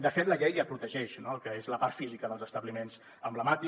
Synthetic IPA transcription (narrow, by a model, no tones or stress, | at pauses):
d̪əfet̪ləʎɛjəpɾut̪əʒɛʃnokəezləpaɾt̪fizikəðəlˠzəst̪əβlimenz | əmbləmat̪i